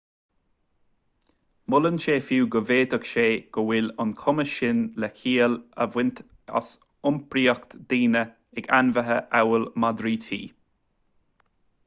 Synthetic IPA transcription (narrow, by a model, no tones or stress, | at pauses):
mʊlənʃeːfuːɡəveːd̪əkʃeːɡ̥əwɪlʊnkʰʊməʃɪnlɛkʰiːələ̰vwɪnt̪ | a̰s | ʊmpɾiːəkt̪d̪̥iːnə | ɛɡanvəɦəʔawəlmad̪ɾiːt̪ʰḭː